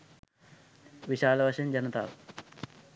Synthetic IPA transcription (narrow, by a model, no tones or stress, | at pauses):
ʋiʃaːlɐʋɐʂɐnd͡ʑɐnɐt̪a̰ː